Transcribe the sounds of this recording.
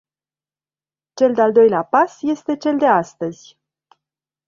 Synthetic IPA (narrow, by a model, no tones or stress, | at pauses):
t͡ʃe̞ld̪eald̪o̞jleapasje̞st̪e̞t͡ʃe̞ld̪e̞ast̪əzʲ